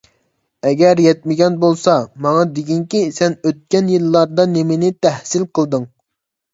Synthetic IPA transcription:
ɛɡʲɛɾjɛt̪̚mɪɡʲɛnbolˠsɑmɑŋɑd̪eɡʲiŋkʲisɛnøt̪̚kʲɛnjilːɑɾd̪ɑnemɪnɪt̪ʰɛhsɪlqʰəlˠd̪ɨŋ

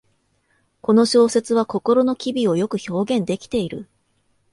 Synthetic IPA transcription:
ko̞no̞ɕo̞ːse̞t͡sɨβako̞ko̞ɾo̞no̞kʲibʲio̞jo̞kɯ̟ço̞ːɡẽ̞nd̪e̞kʲi̥t̪e̞iɾɯ̟̰

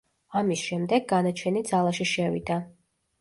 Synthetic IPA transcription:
amisʃɛmd̪ɛɡːanat͡ʃʰɛnid̪zalˠaʃiʃɛvḭd̪a

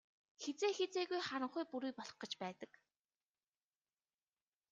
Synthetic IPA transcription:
xet͡seːxet͡seːɣujχaɾə̆ɴχujpuɾuːjpɔɮɞ̆χɢɞ̆t͡ɕpæːt̪ə̆k

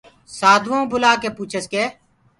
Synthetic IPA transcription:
saːd̪ʱʋõːbʊlaːkeːpuːt͡ʃʰəskeː

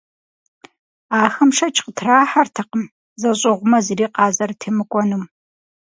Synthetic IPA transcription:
aːxɐmʂɐt͡ʃʰʼqətʰraːħartʰɐqəm | zɐɕʼɪʁʷʊmɐziriːqɑːzɐrtʰemɨkʷʼɔnum

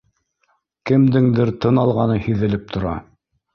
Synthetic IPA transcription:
kɘ̆md̪ɘŋd̪ɘɾt̪ɤnɑlˠʁɑnɤhiðɘ̆lɘp̚t̪ʰŏɾɑ̰

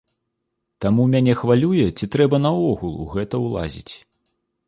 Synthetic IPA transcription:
t̪amumʲanʲɛxvalʲujɛt͡sʲit̪ɾɛbɐn̪ɐɔɣulˠṵɣɛt̪ɐwlˠa̰zʲḭt͡sʲ

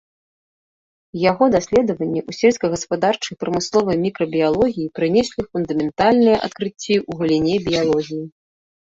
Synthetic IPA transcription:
jaɣɔd̪asʲlʲɛd̪ɐvɐnʲːiʔusʲɛlʲskɐɣɐspad̪art͡ʂɨjpɾɐmɨslˠɔvɐjmʲikɾɐbʲijalˠɔɣʲijipɾɨnʲɛsʲlʲifund̪ɐmʲɛnt̪alʲnɨjɐʔa̰t̪kɾɨt͡sʲːiʔuɣɐlʲinʲɛbʲijalˠɔɣʲiji

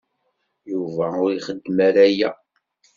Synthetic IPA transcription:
juvæʊɾiχəd̪ːmæɾæjæ

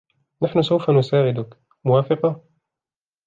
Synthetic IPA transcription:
naħnʊsawfanʊsaːʕɪd̪ʊk | mʊwaːfɪqɑ

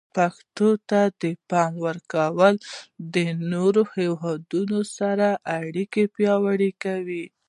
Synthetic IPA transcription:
paxt̪ot̪ad̪əpɑmwəɾkawəld̪ənoɾohewɦɑd̪unosaɾaʔaɽikepjɑwəɽikawi

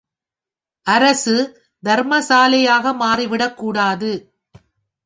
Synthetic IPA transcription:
ʔɐɾɐsɯ | d̪ɐɾmɐsaːlɐjaːɣɐmaːriʋɪɽɐkːuːɽaːðɯ

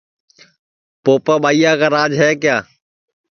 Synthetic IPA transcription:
poːpaːɓaːiːjaːkaːɾaːd͡ʒɦɛːkɪjaː

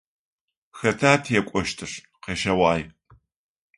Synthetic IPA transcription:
xɐtʰaːtʰjɛkʷʼɔʃtʰɨʂ | qeːʃɐwaːj

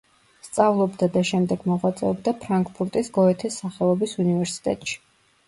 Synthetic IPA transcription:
st̪sʼavlˠɔbd̪ad̪aʃɛmd̪ɛɡ̥mɔʁwat̪sʼɛ̰ɔbd̪apʰɾaŋkʼpʰuɾt̪ʼisɡɔɛt̪ʰisːaχɛɔbisunivɛɾsi̥t̪ʼɛ̰t̪ʼʃi̥

